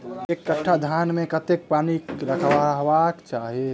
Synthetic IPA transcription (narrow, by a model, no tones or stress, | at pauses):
ekːəʈʰːad̪ʱanmẽkət̪ek̚panikɾəkʰbaɦbakt͡ʃaɦie